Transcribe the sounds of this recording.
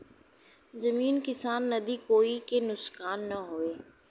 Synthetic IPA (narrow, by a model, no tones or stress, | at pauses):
zɐmiːnkɪsaːnːɐd̪ikoːikenʊsxaːnːɐɦoeː